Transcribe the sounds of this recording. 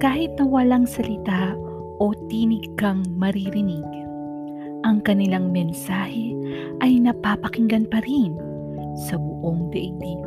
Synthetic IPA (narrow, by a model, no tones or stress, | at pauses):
kaːhɪt̪̚nɐwɐlaŋsɐlɪt̪a | ʔo̞t̪inɪɡkɐŋmɐɾiɾɪniɡ | ʔɐŋkɐnɪlaŋmɛnsaːhɛ | ʔɐjnɐpaːpɐkɪŋɡɐnpɐɾin | sɐbʊʔo̞ŋd̪ɛʔɪɡ̚d̪i